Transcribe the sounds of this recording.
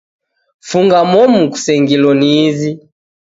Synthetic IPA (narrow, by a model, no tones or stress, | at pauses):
fuŋɡamɔmuku̥sɛŋɡilɔniːzi